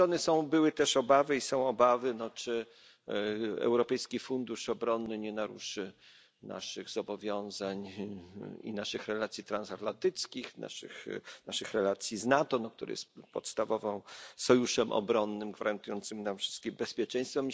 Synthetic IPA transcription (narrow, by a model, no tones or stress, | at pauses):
ɾɔnɘsɔ̃w̃bɘwɘt̪ɛʂɔbavɘisɔ̃w̃ɔbavɘnɔt͡ʂɘ | ɛ̰wɾɔpɛjskʲifund̪uʂɔbɾɔnːɘɲɛnaɾuʂɘ | na̰ʂɘɣzɔbɔvʲjɔ̃w̃zaɲ | ḭnaʂɘxɾɛlat̪sʲjit̪ɾansat̪lant̪ɘt̪skʲixna̰ʂɘ̰xnaʂɘxɾɛlat̪sʲjiznat̪ɔnɔk̚t̪uɾɘ̰jɛ̰st̪pɔ̰t̪st̪avɔvɔ̃w̃sɔjuʂɛmʔɔ̰bɾɔnːɘmɡvaɾant̪ujɔnt̪sɘmnamfʂɘ̥st̪kʲimbɛspʲjɛt͡ʂɛ̃j̃st̪fɛm